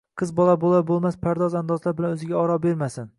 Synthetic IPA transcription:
qʰɨzbɒlˠabolˠabolˠmaspʰaɾd̪ɒzand̪ɒzlaɾbɪlanɵzɪɡʲaɒɾɒbeɾmasɪn

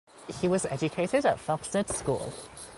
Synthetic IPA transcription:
hiwɒzɛ̰d͡ʒɨkʰeɪɾɪɾətfɑksətskṵlˠ

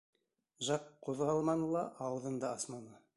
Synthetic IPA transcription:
ʒɑqʰːoðʁɑlˠmɑnəlˠɑʔɑwəðənd̪ɑɑsmɑnə

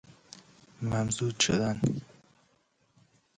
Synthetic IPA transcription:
mæmzud̪ʃod̪an

